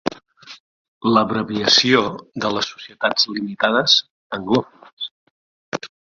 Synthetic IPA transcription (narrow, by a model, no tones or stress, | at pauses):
ləβɾəβiəsioðələsːu̥siət̪ad͡zlimit̪aðəz | əŋɡlofəs